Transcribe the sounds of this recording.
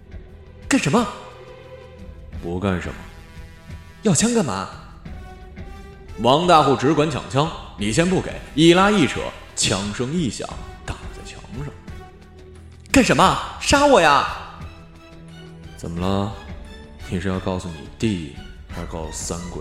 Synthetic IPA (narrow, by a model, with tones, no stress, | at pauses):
ka˥˩nʂə˧˥mə˧ | pu˧˥ka˥˩nʂə̰˧˥nmə̰˧ | jɑ˥˩t͡ɕʰjɑ˥ŋkə˥˩nma̰˧˥ | wɑ˧˥ŋt̪a˥˧xu˥˩ʈ͡ʂɻ̩˧˥kwa˧˥nt͡ɕʰɑ̰˨˩ŋt͡ɕʰjɑ˥ŋli˨˩ɕʰjɛ˥npu˥˩kḛ˨˩˦ɪi˥˩la˥i˥˩ʈ͡ʂʰɤ̰˨˧˩ | t͡ɕʰjɑ˧˥ŋʂɤ˥ŋi˥˩ɕjɑ̰˨˩˦ŋt̪ɑ˥˨˩ŋ˨˩t͡sa˥˩ɪt͡ɕʰjɑ̰˧˥ŋʂɑ˥˩ŋ | ka˥˩nʂə˧˥mə˧ʂa˥wɔ˥˩ja˧ | t͡sə̰˨˩nmə˦lə˧ | nʰi˧˨˩ʂɻ̩˥˧jɑ˥˧ʊkɑ˥˩ʊsu˥˩nḭ˨˩t̪i˥˩xa˧˥kɑ˥˩ʊssa˥nkwḛ˨˧˩